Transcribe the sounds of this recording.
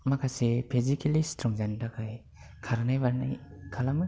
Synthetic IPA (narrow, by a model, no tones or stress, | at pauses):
makʰasepʰezikʰelistʰɾɔŋzandakʰaj | kʰaɾnajbaɾna̰jkʰalamɯ